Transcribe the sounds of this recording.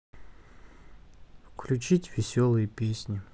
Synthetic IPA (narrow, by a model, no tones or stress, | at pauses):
fkʰlʲut͡ʃitʲvʲɪsʲolˠɨjəpʲesʲnʲi